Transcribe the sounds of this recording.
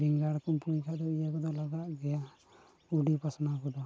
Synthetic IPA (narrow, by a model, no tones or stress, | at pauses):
biŋɡaɽkɔmpujkʰaʔd̪ɔijakɔd̪ɔlaɡaʔɡɛja | uɖipasnakɔd̪ɔ